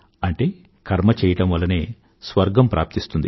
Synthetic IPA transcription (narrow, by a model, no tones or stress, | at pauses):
ɐɳʈe̞ː | kʰɐɾmɐt͡ʃɛːjɐʈɐmʋɐlːɐneː | sʋɐɾɡɐmpɾa̰ːp̚t̪ist̪und̪i